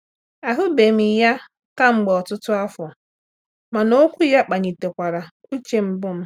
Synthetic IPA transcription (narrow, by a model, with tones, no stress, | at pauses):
a˨ɦʊ˦be˨m̩i˨ja˦ | ka˦ŋ͡m̩˦ɡ͡bɔ˨tʊ˦tʊ˦a˦fɔ˨ | ma˨no˦kʷu˦ja˦k͡pa˨ɲi˨te˨kʷa˨ɾa˨ku˦t͡ʃe˦m̩˦bʊ˦m̩˦